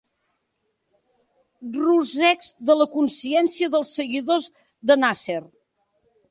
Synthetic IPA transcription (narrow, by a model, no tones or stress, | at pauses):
ruzɛkzd̪ələkunsiɛnsiəðəlˠsːəɣiðoz | ðənaser